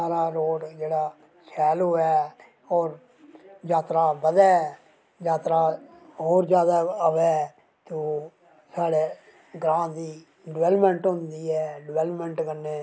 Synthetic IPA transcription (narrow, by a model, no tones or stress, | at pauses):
saːɾaːɾoːɖd͡ʒeːɽaː | sʰɛːloːɛː | ɔːɾ | jaːt̪ɾaːbəd̪ɛː | jaːt̪ɾaː | ɦoːɾd͡ʒjaːd̪aːəʋɛː | t̪uː | saːɽeː | ɡɾãːd̪iː | ɖɪʋɛːləpmə̃ɳʈɦʊ̃nd̪iːɛːɖɪʋɛːləpmə̃ɳʈkəneː